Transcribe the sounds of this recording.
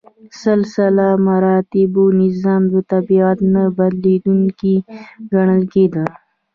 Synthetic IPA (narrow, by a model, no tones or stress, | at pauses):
salsalamaɾɑt̪ɪbonɪzɑːmd̪ət̪abiat̪nabad̪lid̪uŋkiɡaɳ̃əlked̪ə